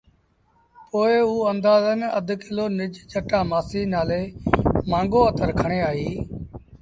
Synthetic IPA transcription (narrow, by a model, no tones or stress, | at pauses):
poːɪuːənd̪aːzənəd̪ʱkɪloːnɪd͡ʒd͡ʒəʈaːmaːsiːnaːleːmãːŋɡoːət̪əɾkʰəɳeːaːɦiː